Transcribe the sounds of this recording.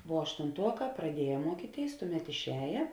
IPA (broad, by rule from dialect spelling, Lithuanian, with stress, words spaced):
ʋuɔ ɐʃtʊnˈtuɔˌkɑː prɐˈdʲiɛjɛ ˈmuɔkʲiːˌtʲeːɪs ˈtʊˌmʲɛt ɪʃʲˈɛːjɛ